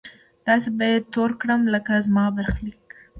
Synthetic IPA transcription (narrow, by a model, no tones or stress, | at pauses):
d̪̥ɑsebajad̪̚t̪oɾkɽəmləkazmɑbaɾxlik